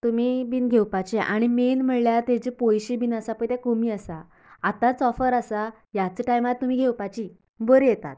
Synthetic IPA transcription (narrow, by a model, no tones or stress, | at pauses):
t̪umibiːnɡʱewpat͡ɕeʔa̰ɽ̃imenm̤əɭljat̪et͡ɕepojɕibiːnasapət̪ɛ̃komiːasaː | t̪ãt͡sɔfəɾasa | jat͡səʈajmat̪̚t̪um̤iːɡʱewpat͡ɕi | bəɾijet̪a̰t̪̚